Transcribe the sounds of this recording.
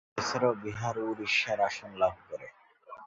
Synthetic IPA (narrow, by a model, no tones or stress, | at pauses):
esɾobiɦaɾuɾiʃːaɾaʃonlab̚ʱkoɾe